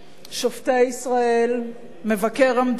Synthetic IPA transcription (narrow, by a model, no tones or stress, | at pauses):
ʃofteisʁael | me̞vakeʁamd̪